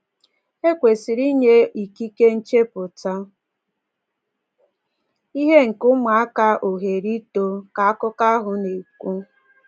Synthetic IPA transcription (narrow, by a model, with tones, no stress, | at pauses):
e˦kʷe˨si˨ɾi˦ɲe˦i˨ki˦ke˦n̩˦t͡ʃe˦pʊ˨ta˦ | i˦ɦe˦ŋ̩˨kʊ˦ma˨a˦ka˦ʔo˨ɦe˨ɾi˦to˦ka˨a˦kʊ˦ka˦ɦʊ˨ne˨kʷu˦